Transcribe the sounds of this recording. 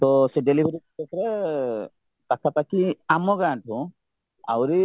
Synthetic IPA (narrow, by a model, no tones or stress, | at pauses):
t̪ɔseɖelibʱeɾikekʰɾɛ | takʰapakiamɔɡaɳʈʰũ | a̰wɾi